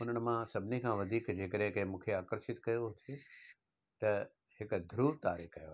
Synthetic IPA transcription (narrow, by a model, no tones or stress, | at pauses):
ʊn̤əɽ̃̆mãsɐbʱɪnikʰãːʋɐd̪ʱiːkd͡ʑeːkəɗɦẽkɐɦɪ̃mũːkʰeaːkəɾʃɪt̪kɐjoɦʊt̪ʰije | t̪ɐ | hɪkd̪ʱɾuːʋt̪aːɾixkɐjoa